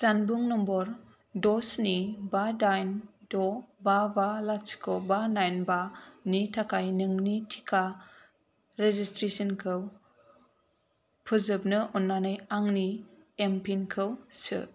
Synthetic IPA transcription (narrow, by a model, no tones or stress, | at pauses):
sanbuŋnɔmbɔɾ | dɔsnibadajndɔbabalat͡ʃkʰowbanajnbanitʰakʰajnɯŋnitʰi̥kʰa | ɾezistɾesɔnkʰɯw | pʰɯzɯb̚nɯʔɔnːanɯjaŋniempʰinkʰɯwsɯ̰